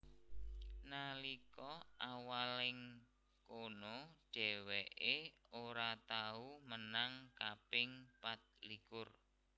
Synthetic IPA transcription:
nalikɔʔawalɪŋ | konoɖ̥ɛ̤wɛʔeoɾat̪aumənaŋkapɪŋpat̪̚likʊr

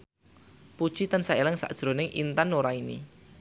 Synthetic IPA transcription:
pud̥ʒ̥it̪ənsaelɪŋsa̰ʔd̥ʒ̥ɾo̤nɪŋʔḭnt̪anːoɾainḭ

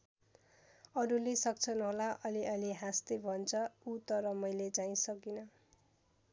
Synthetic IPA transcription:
ʌɾulesʌk̚t͡sʰʌnʌɦolaʔʌliʔʌliɦast̪ʌbʱʌnt͡sʰʌut̪ʌɾʌmʌjlet͡saĩsʌkinʌ

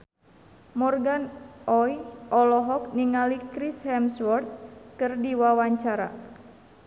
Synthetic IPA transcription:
mɔrɡanɔjɔlɔɦɔk̚niŋalikɾishɛmswɔrt̪̚kɨrdiwawaɲt͡ʃaɾa̰

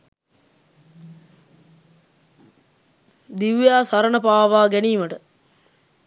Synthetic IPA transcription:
d̪iwjaːsaɾənəpaːʋaːɡæniːməʈə

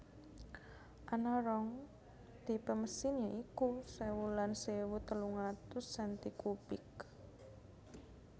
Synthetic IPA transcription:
ʔanaɾɔŋ | t̪ipəməsinɲaʔikusewulansewut̪əluŋat̪ʊsːant̪ikubɪk

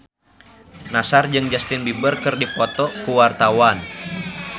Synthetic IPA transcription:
nasard͡ʒɨŋd͡ʒast̪ɪnbibərkɨrdipɔt̪ɔkuwart̪awan

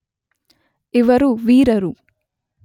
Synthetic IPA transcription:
iʋɐɾuʋiːɾɐɾu

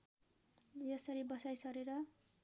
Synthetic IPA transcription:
jʌsʌɾibʌsajsʌɾeɾʌ

